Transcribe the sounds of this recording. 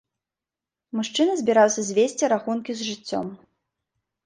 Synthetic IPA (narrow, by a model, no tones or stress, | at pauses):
muʂt͡ʂɨnɐzʲbʲiɾawsʲɐzʲvʲesʲt͡sʲiɾaxunkʲizʐɨt͡sʲːɔ̰m